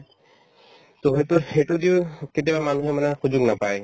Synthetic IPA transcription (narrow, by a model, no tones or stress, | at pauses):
t̪oɦet̪uɾeʈud̪iwket̪̬ebamanuɦemanaxud͡ʒoɡnapaj